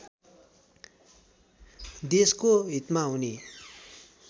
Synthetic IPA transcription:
d̪eskoɦit̪maɦuni

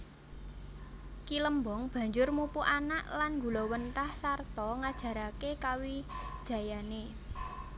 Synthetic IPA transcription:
kiləmbɔŋb̥a̤ɲd͡ʒʊrmupuʔanaʔlanŋɡṳlɔwənʈahsart̪ɔŋad̥ʒ̥ä̤ɾakekawid̥ʒ̥ä̤jane

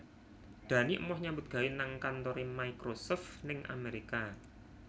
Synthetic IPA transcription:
d̪̥ä̤niʔə̰mɔhɲambʊt̪̚ɡ̥a̤inaŋkant̪oɾimaikɾosɔft̪nɪŋʔa̰meɾika

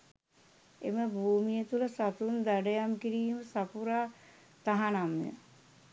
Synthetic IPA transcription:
ḛməbʱuːmijət̪uləsat̪und̪aɖəjamkiɾiːməsapuɾaː | t̪aɦanamjə̰

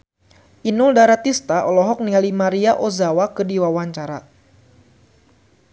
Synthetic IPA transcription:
ʔinʊldaɾat̪ist̪aʔɔlɔɦɔk̚nialimaɾiaʔozawakədiwawaɲt͡ʃaɾa

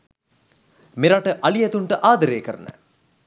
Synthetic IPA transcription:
miɾaʈəʔɐlijɐt̪uɳʈəʔaːd̪ɐɾeːkəɾnə̰

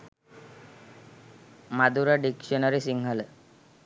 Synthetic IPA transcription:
mad̪uɾaɖikʃɔnəɾisiŋɡʱəle

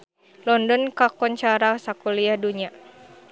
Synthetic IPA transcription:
lɔndɔnkakɔɲt͡ʃaɾasakuliahduɲa

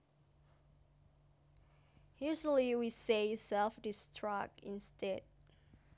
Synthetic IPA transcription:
huzəliwisesɛlˠfdɪstʰɹak̚ɪ̃nstɛd̚

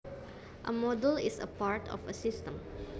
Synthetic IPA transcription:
ʔəmɔdəlisə̰paɹtʰɔ̰fəsɪstə̃m

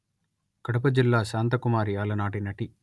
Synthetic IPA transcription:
kɐɽɐp̬ɐd͡ʒilːaːʃaːnt̪ɐkumaːɾijaːlɐnaːʈinɐʈi

